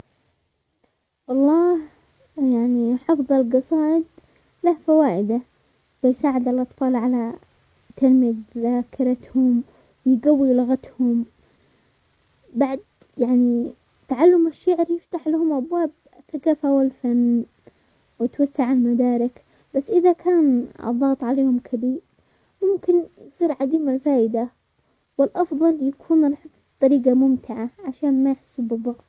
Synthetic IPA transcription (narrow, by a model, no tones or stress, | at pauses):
wʔɑlˤːɑːh | jaʕniħɑfðˤɑlɡɑsˤɑːʔɪd̪ | lahfawaːʔɪd̪a | bɪjsaːʕɪd̪ɪlʔɑt̪ˤfɑːlʕala | t̪almidðakɪɾɑt̪hʊm | wjɡawːilaɣat̪hʊm | baʕd̪ | jaʕni | t̪aʕalːamaʃːaʕɾjɪft̪aħlahʊmʔabwaːb̚ | aθːakaːfawɪlfan | wjt̪wasːaʕalmad̪ɑːɾɪk | basːʔɪðakʰaːn̰ðˤːɑɣt̪ˤʕaleːhʊmkʰabiː | mʊmkɪnjsˤiːɾʕad̪iːmalfaːʔɪd̪a | wɪlʔɑfðˤɑljakʰuːnɾˤħɪt̪ˤ | t̪ˤːɑɾiːɡamʊmt̪ʰɪʕaʕaʃaːnmajaħsːubɨðˤːɑɣt̪ˤ